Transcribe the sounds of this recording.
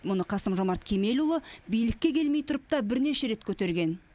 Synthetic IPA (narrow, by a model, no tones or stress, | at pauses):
mʊnəqʰɑsəmʒo̞mɑɾt̪kʲʰe̞me̞lulˠəbijlɪkʲːe̞kʲʰe̞lmejt̪ʰʊɾəp̚t̪ɑbɪɾne̞ʃe̞ɾe̞t̪kʲʰɵt̪e̞ɾɡʲe̞n